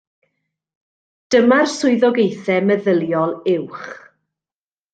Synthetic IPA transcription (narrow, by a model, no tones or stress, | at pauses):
d̥əmarsʊɨðɔɡejθɛməðəlˠjɔlˠɪwχ